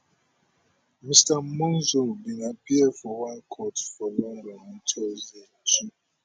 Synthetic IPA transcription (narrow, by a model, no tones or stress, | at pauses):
mistam̩mɔnzobiŋapiɛfɔwankʰɔtfɔlɔndɔmn̩tʰɔzetu